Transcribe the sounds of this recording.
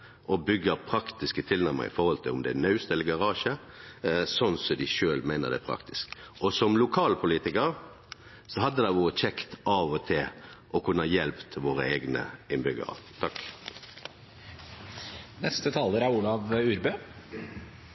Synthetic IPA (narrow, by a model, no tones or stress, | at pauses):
ʔɔbʏɡːəpʰʁɑkt̪ɪskət̪ʰɪlnæʁɾmə̰ɾɪ̰fɔhɔlt̪ʰɪlʊmd̪ɛænœʉst̪ɛləɡɑʁɑːʃə | sɔnsɔd̪ɪʃøːlmæɪnəʁd̪ɛ̰æːpʰʁɑ̰kt̪ɪ̥skɔsɔmlʊkʰɑːlpʰʊliːt̪ɪkəɾ | sɔɦɑd̪ːəd̪ɑɪʋoːʁət͡ʃʰɛkt̪ɑːʋɔt̪ʰɪlʔɔkʰʉnːəjɛlpt̪ʰʋoːʁəeːɡnə̰ɪnbʏɡə̰ʁə̰t̪ʰɑk | nɛst̪ət̪ʰɑːləɾæɾuːlɑʋʉːɾbø